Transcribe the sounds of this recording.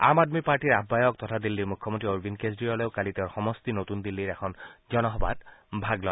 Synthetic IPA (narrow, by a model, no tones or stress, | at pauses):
a̰madmipaɹʈiɹabːajɔk̚tɔtʰad̪ilːiɹmukʰːɔmoɔntɹioɹbʱinkezdijɔlɔʊkaliteʊɹxɔmɔstinotund̪ilːiɹɛkʰɔnzɔnɔɦɔba̰tbʱaɡlɔj